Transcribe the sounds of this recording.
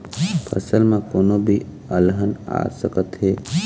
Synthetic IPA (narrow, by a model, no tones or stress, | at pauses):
pʰə̰səlmãkoːnobʱi | əlɦəna̰ːsəkət̪ɦeː